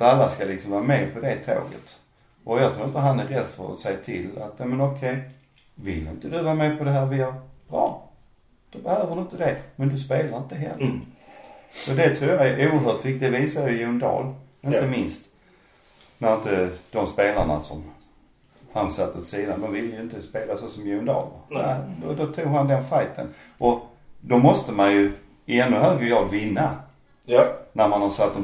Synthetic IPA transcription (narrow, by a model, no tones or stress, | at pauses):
t̪alːaskalɪksɔmvɑːɾameːpʰɔd̪ɛt̪ʰo̰ːɡə̰t̪ | ʔɔjɑt̪ʰɾuːɾənt̪əɦanæɾɛd̪fœ̰ɾɔ̰sɛjat̪ʰɪ̰la̰t̪jɑːmɛnɔkʰɛj | vɪlːɪ̰nt̪əd̪ɵvɑːmeːpʰɔd̪ɛɦæːɾvɪljəɾb̥ɾɑ̰ː | d̪̥ɔbəhøːvədɵənt̪əd̪ɛmɛnd̪ɵspeːlaɾɪnt̪əɦɛ̰lːə | sɔd̪ɛt̪ʰɾuːjɑɛʔuːəɾɦœːʈ̪vɪkt̪ɪd̪viːsajʏɪjʉːnd̪ɑ̰ːl | ɪnt̪əmɪnst̪ | næɾɪnt̪əd̪̥ɔmspeːlaɳa̰sɔm | hansat̪ːʊt̪siːd̪anmɛnvɪlːəjɵɪnt̪əspeːlasɔsɔmjʉnd̪ɑ̰ːlə̰ɾnæ̰d̪ɔd̪ɔt̪ʰuːɡhand̪ɛnfajt̪ʰə̰n | ʔɔ | d̪ɔmɔst̪əmanjɵ | ɛnːɵɦøːɡɾəjɑːɡ̪vɪnːa | næɾmanhasat̪ːɔ